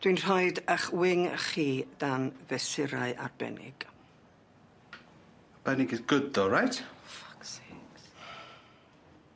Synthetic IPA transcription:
d̥winr̥ɔjdəχwɪŋχiːd̥anvɛsɪɾaɨʔa̰rb̥ɛ̰nʔɪ̰ɡ̥ | əb̥ɛnɪɡidɡ̥ədɔɹajtfḁksɛ

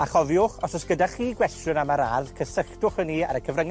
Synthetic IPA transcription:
aχɔvjʊχɔsɔsɡ̥ədaχiːɡwɛstjʊnamaɾarðkʰəsəχtʊχənːiːa̰ɾəkʰəvrəŋ

